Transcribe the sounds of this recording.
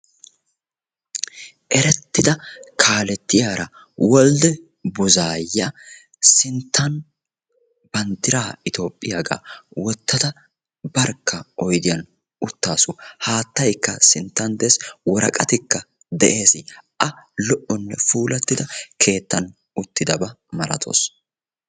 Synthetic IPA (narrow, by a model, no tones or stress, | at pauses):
ʔɛɾɛt̪ːɪd̪ɐkʰaːlɛt̪ːɪjaːɾɐ | wɔld̪ɛ | bʊzaːjːɐ | sɪnt̪ʰːɐn | b̥ɐnt̪ːɪɾaːɪt̪o̞ːpʼːɪjaɡa̰ːwɔt̪ːɐd̪ɐ | bɐɾkːɐʔɔjd̪ɪjɐn | ʊt̪ːaːsuhaːt̪ːɐjkːɐsɪnt̪ːɐnd̪ɛswɔɾɐ̰kʼɐt̪ɪkːɐ | d̪ɛʔe̞ːsɪʔɐlɔʔɔnːɛfuːlɐt̪ːɪd̪ɐkʰe̞ːt̪ːɐn | ʊt̪ːɪd̪ɐbɐmɐɾɐ̰t̪ʰo̰ːs